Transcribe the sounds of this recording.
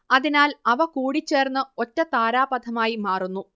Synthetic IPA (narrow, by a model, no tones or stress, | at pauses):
ɐðinaːlɐʋɐkuːɽit͡ɕːe̞ːrnːɨotːɐt̪aːɾaːbɐd̪ʱɐmaːjimaːrunːu